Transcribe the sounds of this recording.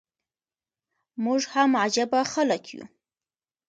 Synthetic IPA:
muʐhamad͡ʒabaxaləkʰjṵ

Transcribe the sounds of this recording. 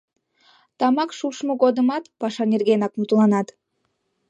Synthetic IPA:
t̪ɑmɑkʃuʃmuɡod̪ɯmɑt̪pɑʃɑnʲerɡʲenɑk̚mut̪ulˠɑnɑt̪

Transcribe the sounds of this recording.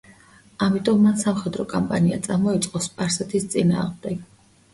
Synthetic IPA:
amit̪ʼɔmːansamχɛd̪ɾɔkʼɔmpʼaniat̪sʼaɾmɔit̪sʼqʼɔspʼaɾsɛt̪ʰist̪sʼina̰ːʁmd̪ɛɡ

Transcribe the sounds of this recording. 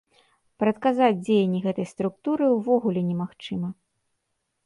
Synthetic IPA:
pɾɐt̪kazad͡zʲd͡zʲejɐnʲːiɣɛt̪ɐjst̪ɾuk̚t̪uɾɨwvɔɣulʲɛnʲɛmaxt͡ʂɨmɐ

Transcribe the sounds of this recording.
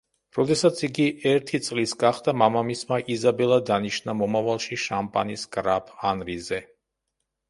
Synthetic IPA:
ɾɔd̪ɛsat̪sʰiɡiɛɾt̪ʰit̪sʼlisɡaχd̪amamamismaʔizabɛlˠad̪aniʃnamɔmavalˠʃiʃampʼa̰nisɡʼɾapʰanɾizɛ

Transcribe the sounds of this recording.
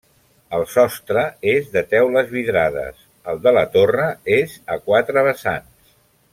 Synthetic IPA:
əlˠsɔst̪ɾəezðət̪ɛwləzβiðɾaðə̰s | əlˠd̪ələt̪orəezəkwat̪ɾəβəsa̰ns

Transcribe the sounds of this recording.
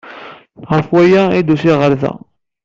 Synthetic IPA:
ʁəfwæjæid̪usiʁəɾθæ̰

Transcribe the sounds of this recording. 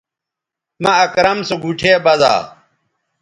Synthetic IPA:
mɐɐkɾɐmsoɡʱuʈʰeːbɐd̪a̰ː

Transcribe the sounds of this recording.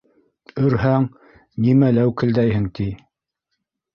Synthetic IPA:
ɵ̆ɾɦæŋ | nimælæwkɘ̆ld̪æjɦɘŋt̪i

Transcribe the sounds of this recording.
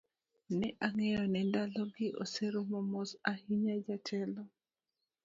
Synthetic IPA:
nɛʔaŋɛjɔnɛndalɔɡɪʔo̰seɾomɔmɔsahiɲad͡ʒatʰɛlɔ

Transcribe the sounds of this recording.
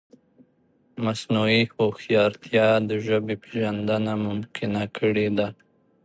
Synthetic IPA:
masnuihoxjɑɾt̪ʰjɑd̪əʒəbepeʒand̪anamʊmkʰɪnakʰəɽed̪a

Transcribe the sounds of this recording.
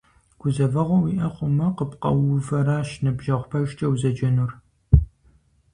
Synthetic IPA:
ɡ̥ʷʊzɐvɐʁʷɔwiʔɐχʷʊmɐqəpqɐ̰wʊvɐɾaːʃnɨbʒɐʁʷpʰɐʒt͡ʃʼɐwzɐd͡ʒɐnur

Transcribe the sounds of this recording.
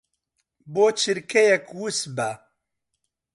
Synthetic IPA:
boːt͡ʃʰɨɾkʰɛjɛkwusbæ

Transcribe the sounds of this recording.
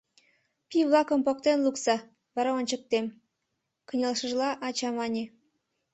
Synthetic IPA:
pʲiβlˠɑkə̆mpok̚t̪enlˠuksɑ | βɑɾɑonʲt͡ɕə̆k̚t̪em | kə̆nʲelʃə̆ʒlˠɑʔɑt͡ɕɑmɑnʲe

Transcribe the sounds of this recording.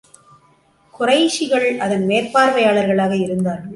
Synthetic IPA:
kʊrɐɪʂɪɣɐɭɐðɐnmeːrpaːɾʋɐjaːɭɐɾɣɐɭaːɣɐɪɾɯnd̪aːɾ

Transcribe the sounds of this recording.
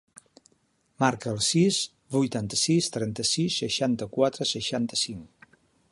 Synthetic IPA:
maɾkəːlˠsis | bujt̪ant̪əsist̪ɾɛnt̪əsisːəʃant̪əkwat̪ɾəsəʃant̪əsiŋ

